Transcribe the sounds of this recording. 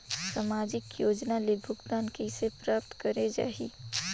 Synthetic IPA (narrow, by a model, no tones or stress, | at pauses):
samaːd͡ʒɪkjoːd͡ʒnalebʱʊɡd̪aːnkisepɾaːp̚t̪kəɾed͡ʒa̰ːɦḭː